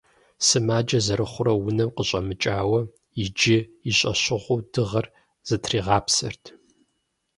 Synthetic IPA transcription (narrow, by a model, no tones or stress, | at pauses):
sɨmaːd͡ʒɐzɐɾɨχʷʊɾɐwʊnɐmqəɕʼɐmɨt͡ʃʼaːwɐ | jɪd͡ʒɪiɕʼɐ̰ɕɪʁʷʊːdɨʁɐr | z̥ɨtʰriːʁɑːpsɐ̰rtʰ